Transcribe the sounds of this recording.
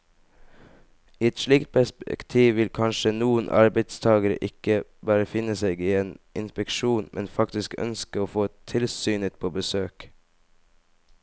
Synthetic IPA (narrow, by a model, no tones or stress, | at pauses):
iːɛt̪ʃɭiːkt̪̚pʰæspkt̪ʰiːʋɪlkʰɑnʃənuːənʔɑ̰ɾbæɪd̪st̪ʰɑːɡəɾə̰ʔɪkəbɑːɾəfɪnəseːɡiːeːnʔɪnspɛkʃuːnmʔɛnfɑkt̪ɪskœ̰nskəoːfoːt̪ʰɪlsyːnɪt̪̚pʰoːbəsøːk